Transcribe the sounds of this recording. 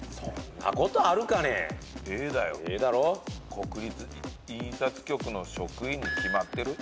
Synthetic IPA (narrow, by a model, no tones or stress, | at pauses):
so̰nːa̰ko̞t̪o̞aɾɯ̟kanḛeːd̪ajoeːd̪aɾo̞kʰo̞kɯ̟ɾʲit͡sɨ | isat͡sɨ̥kʲo̞kɯ̟no̞ɕo̞kɯ̟iɲ̟ːikʲimat̪ːe̞ɾɯ̟